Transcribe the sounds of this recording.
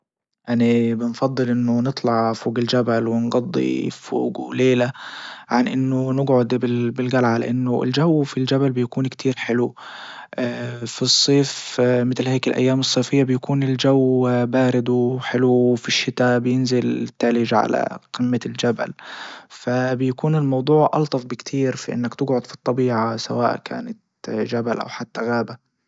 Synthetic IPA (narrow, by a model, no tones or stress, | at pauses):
ʔanibɪnfɑd̪ˤːɨlʔɪnːʊnɨt̪ˤlɑʕfoːɡɪld͡ʒabalwɪnɡɑd̪ˤːḭfo̰ːɡuleːlaʕanʔɪnːʊnɪɡʕʊd̪bɪbɪlɣalʕala̰ʔanːʊɪ̰ld͡ʒawːfild͡ʒabalbɪjakuːnkt̪ʰiːɾħɪlu | ʔafisˤːeːfmɪt̪lheːkɪlʔa̰jːaːmɨsˤːeːfɪjːabɪjakuːnɪld͡ʒawbaːɾɪd̪uħɪluwfiʃːɪt̪abɪjɪnzɪlt̪ːalɪʒʕa̰la̰qɪmːald͡ʒaba̰lfabɪjakuːnɪlmɑwd̪ˤuːʕʔɑ̰lt̪ˤɑfbɪkt̪ʰiːɾfaʔɪ̰nːakt̪ɪɡʕʊd̪fi̥t̪ˤːɑbiːʕasa̰wa̰ːʔkʰa̰ːnat̪ | d͡ʒabalʔa̰wħat̪ːaɣaːba